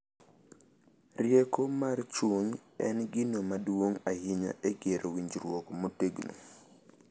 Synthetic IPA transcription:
rjɛkomart͡ʃuɲɛ̰nɡɪnomadwoŋahɪɲa̰ʔeɡeɾowiɲd͡ʒɾwokmoteɡno̰

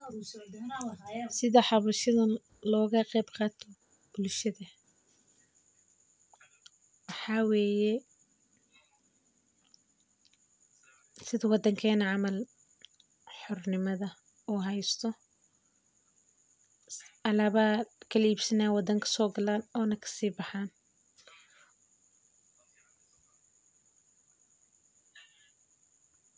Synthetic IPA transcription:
sɪðɐħɑβɐʃɐðɐ | lɔːɣɐqɛjbqɑːt̪ʰɔ | b̥ʊlʃɐðɐ | wɑħɑːwɛːjɛ | sɪðɐwɑd̪ɐŋkʰɛːnɐʕɑmɐl | ħʊrnɪmɐðɐ | uːɦɛjst̪ʰɔ | ʔɐlaːβaːkʰɐliːbsɐnaːwɑd̪ɐŋkʰɐ̥sɔːɡɐlaːnɔːnɐkʰɐ̥siːbɑħaːn

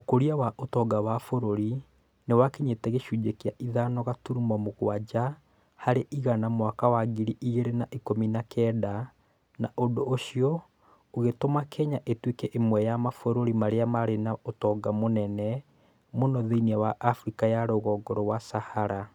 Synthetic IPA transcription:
okoɾiawaʔotɔɡawafoɾoɾi | newakiɲetɛɣeʃud͡ʒekiaʔiðanɔɣatuɾumɔmoɣwad͡ʑa | haɾeʔiɣanamwakawaɡiɾiʔiɣeɾenaʔikominakʰɛda | naʔodoːʃiɔ | oɣetomakʰɛɲaʔetwekɛʔemwɛjamafoɾoɾimaɾeamaɾenaotɔɡamonɛnɛ | monɔðeiniawaʔafɾikajaɾoːɣɔːɡɔɾɔwasahaɾa

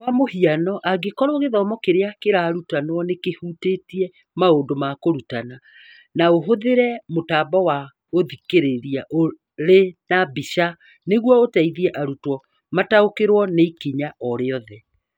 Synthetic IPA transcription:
wamohianɔʔaɡekɔɾoɣeðɔmɔkeɾeakeɾaːɾutanwɔnekehutetiɛ | maondomakoɾutana | naoɦoðeɾɛmotaːbɔwa | oðikeɾeɾiaʔo | ɾenabiʃa | neɣwɔotaiðiɛʔaɾutwɔ | mataokeɾwɔneikiɲaɔɾeɔðɛ

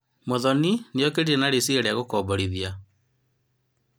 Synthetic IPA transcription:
moðɔninejɔkeɾenaɾesieɾɛaɣokɔːbɔɾiðia

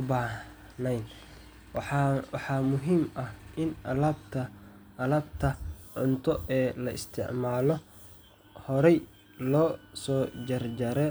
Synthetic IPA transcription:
ʊbaːh | nɛjn | wħɑːmʊɦiːmʔɐhʔɪnɐlɐbt̪ʰɐ | ɐlɐbt̪ʰɐʕʊnt̪ʰɔɛːlɐɪ̰st̪ʰɪ̰ʕmaːlɔ | hɔɾɛj | lɔːsɔːd͡ʒɐrd͡ʒɐɾɛ

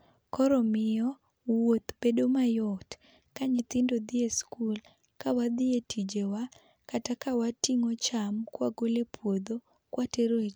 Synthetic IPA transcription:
kɔɾɔmɪjɔ | wwot̪bedomajɔt | kaɲɪt̪ɪndod̪ɪeskul | kawad̪ɪetʰid͡ʒewa | katakawatiŋɔt͡ʃamkwaɡolepʰwod̪o | kwateɾot͡ʃ

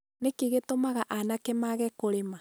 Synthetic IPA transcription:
nekiɣetomaɣaʔanakɛmaɣɛkoɾema

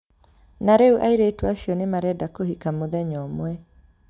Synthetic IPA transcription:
naɾeuʔaiɾeːtwaɕjɔnemaɾɛdakohikamoðɛɲɔmwɛ

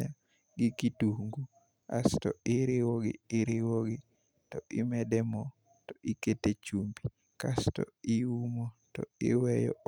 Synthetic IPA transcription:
a | ɡɪkituŋɡu | a̰stɔɪɾɪwɔɡɪ̰ɪɾɪwoɡɪ | tɔʔɪmɛdɛmɔ | tɔʔɪketet͡ʃumbi | kastɔ̰ɪumotɔ̰ɪ̰wɛjɔ̰

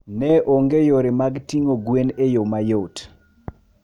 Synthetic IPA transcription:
nɛʔoŋɡejoɾemaɡtiŋoɡwenejomajot

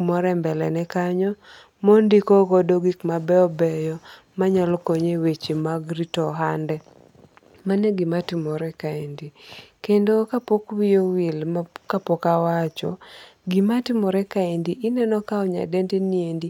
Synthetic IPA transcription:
mɔɾɛmbɛlɛnɛkaɲɔ | mondikɔkɔdoɡikmabɛɔbɛjɔ | maɲalɔkoɲewet͡ʃimaɡɾitɔɦandɛ | manɛɡimatɪmɔɾɛkaindikendokapokwijowilkapokawat͡ʃɔ̰ɡimatɪmɔɾɛkaindiʔɪnɛnɔkaɔɲa̰dɛndeniendi

